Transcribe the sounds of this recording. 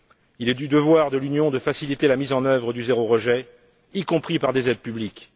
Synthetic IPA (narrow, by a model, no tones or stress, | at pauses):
ilɛd̪yd̪əvwaʁd̪əlynjɔ̃d̪əfasilit̪elamizɑ̃nœvʁəd̪yzeʁoʁəʒɛ | ikɔ̃pχipaʁd̪ezɛd̪̚pyblik